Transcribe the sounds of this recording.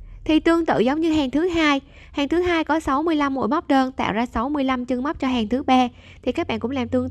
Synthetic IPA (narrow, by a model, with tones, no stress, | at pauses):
t̪ʰi˨˩t̪ɨ˧əŋt̪ɨ̰˧˨zə˨˦wŋ͡mɲɨ˧ɦaː˨˩ŋt̪ʰɨ˨˦ɦaː˧j | haː˨˩ŋt̪ʰɨ˨˦ɦaː˧jkɔ˨˦sa˨˦wmɨ˧əjla˧mːṵ˧˥˨jma˦˥k͡p̚ɗəː˧nt̪a̰ː˧˨wzaː˧sa˨˦wmɨ˧əjla˧mt͡ɕɨ˧ŋma˦˥k͡p̚t͡ɕɔ˧ɦaː˨˩ŋt̪ʰɨ˨˦ɓaː˧ | t̪ʰi˨˩kaː˦˥k̚ɓa̰ː˧˨ŋkʊ̰˧˥ŋ͡mlaː˨˩mt̪ɨ˧ə